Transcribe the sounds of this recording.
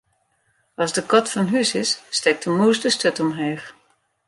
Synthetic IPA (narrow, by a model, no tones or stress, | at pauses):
ɑzdəkɔtfɑnɦysɪsːtɛk̚təmuːsdəstøtɔmɦeːx